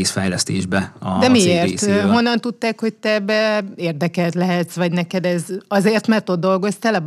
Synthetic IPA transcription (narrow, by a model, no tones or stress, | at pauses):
sfɛjlɛst̪eːʒbɛɒ̰dd̪ɛmieːrt̪ːɦonːɒnt̪ut̪ːaːkho̞c̚t̪ɛbːɛeːrd̪ɛkɛlt̪lɛɦɛt̪sʋɒɟnɛkɛd̪ɛzɒzeːrt̪mɛrt̪o̞d̪d̪o̞lɡo̞st̪ɛlɛb